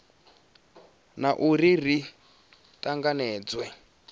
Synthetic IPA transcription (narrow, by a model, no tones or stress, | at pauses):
naʔuɾiri | taŋɡanɛːd͡zwɛ